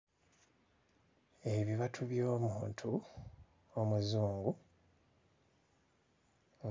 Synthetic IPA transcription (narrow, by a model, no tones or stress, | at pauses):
eβiβatʰuβjo̞ːmuːntʰu | omuzuːŋɡu